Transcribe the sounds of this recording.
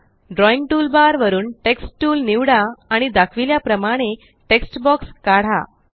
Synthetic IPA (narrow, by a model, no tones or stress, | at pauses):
ɖɾɔiŋɡ̚ʈuːlbaɾʋəɾuːnʈeksʈʈuːlniʋɽaːɽ̃id̪akʰʋiljapɾəmaɽ̃e | ʈeksʈbɔkskaɽ̤a̰